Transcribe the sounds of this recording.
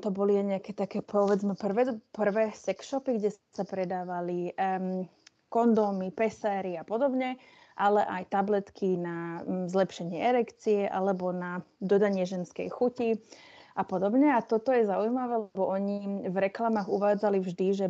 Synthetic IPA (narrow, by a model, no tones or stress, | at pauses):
t̪ɔbɔliaɲɛakɛːt̪akɛːpɔʋɛd͡zmɛpr̩ʋɛpr̩ʋɛːsɛkʃɔpiɡɟɛsapɾɛd̪aːʋali | kɔnd̪ɔmipɛsaːɾiapɔd̪ɔbɲɛ | ʔalɛʔajt̪ablɛt̪kʰinazlɛpʃɛɲɪɛɛɾɛkt͡siɛʔa̰lɛbɔnad̪ɔd̪aɲɪɛʒɛnskɛ̰jxuciʔapɔd̪ɔbɲɛat̪ɔt̪ɔjɛzaujmaʋɛːlɛbɔʔɔɲivɾɛklamaːɣuʋaːd͡zalivʒd̪iʒɛ